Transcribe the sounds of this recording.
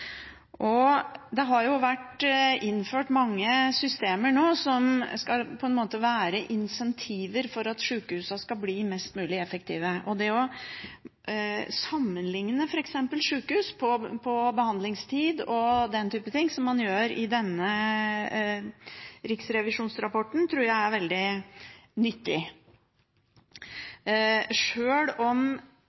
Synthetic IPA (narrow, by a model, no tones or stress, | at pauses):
ʔɔd̪ɛɦɑɾjʊʋæʈɪnːføːʈmɑŋːəsʏst̪eːməɳoːsɔmskɑlpʰɔɛnmoːt̪əʋæːɾəʔɪnsɛnt̪ʰiːʋəɾfɔɾɑt̪ʂʉːkəhʉːsɑskɑbliːmɛst̪mʉːlɪɛfəkt̪ʰiːʋəɔd̪ɛɔ | sɑmːənlɪŋnəfɔɾɛksɛmpəlʂʉːkəhʉːspʰɔpʰɔbəhɑnd̪lɪŋst̪ʰiːd̪ɔd̪ɛnt̪ʰyːpət̪ʰɪŋːsɔmːɑnjøːɾɪd̪ɛnːə | ɾɪksɾɛʋɪʂuːnsɾɑpɔʈːɳ̩t̪ʰɾuːɾjæɪæɾʋɛld̪ɪ | nʏt̪ːɪ̰ | ʂøːɽɔm